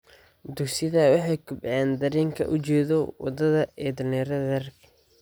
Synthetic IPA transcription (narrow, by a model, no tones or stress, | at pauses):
d̪ʊksɪðɐwɑħɑjkʰʊbʕɛːnd̪ɐɾɛːŋkʰɐ̰ʔʊt͡ʃɛːðɔwɑ̰d̪ɐðɐɛːd̪ɐnɛːɾɐðɐɐrkʰɐ̥